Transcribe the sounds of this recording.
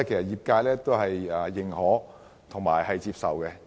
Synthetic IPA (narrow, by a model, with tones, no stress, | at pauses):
kʰe˨˩sɐ˨t̚jiː˨p̚kaː˧jlɛː˥t̪o˥wɦɐ˨jaː˨jɪ˨˩ŋhɔː˨˥ | t̪ʰʊ˨˩ŋmaː˨˩jhɐ˨jt͡siː˧p̚sɐ̰˨wkɛ˧